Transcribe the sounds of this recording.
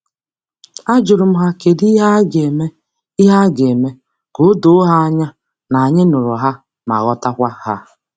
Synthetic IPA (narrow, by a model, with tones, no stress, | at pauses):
a˦d͡ʒʊ˨ɾʊ˨m̩˦ɦa˦ke˨di˦ɦa˦ɡe˨me˦ | i˦ɦa˦ɡe˨me˦ | ko˦do˦ɦa˦ɲa˦ | na˨ɲɪ˦nʊ˨ɾʊ˨ɦa˦ | ma̰˨ɣɔ˦ta˦kʷa˦ha̰˦